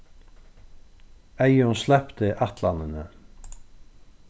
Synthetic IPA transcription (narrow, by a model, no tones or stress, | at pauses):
ejɪunslɛhpt̪ɪʔaht̪lanɪnə